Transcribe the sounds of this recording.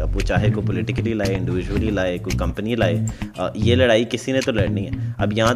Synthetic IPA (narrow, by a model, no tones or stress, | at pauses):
ɐbʋot͡ʃaːɦekopɔlɪʈɪkəlilaːeɪ̃ɳɖɪʋɪd͡ʒuwəlilaːekokɐ̃mpənilaːeːjelɐɽaːikɪsinẽt̪olɐɽnĩɦɛɐbjɐɦã